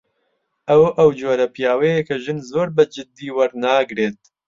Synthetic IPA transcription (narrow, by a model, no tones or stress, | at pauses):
ʔɐwʔɐwd͡ʒoːɾɐpijaːwɛjekʰɐʒɨnzoːɾbɐd͡ʒɪd̪ːiːwɐɾnaːɡɾeːt̪̚